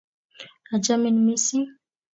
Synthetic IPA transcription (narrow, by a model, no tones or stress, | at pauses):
ad͡ʒamenimisi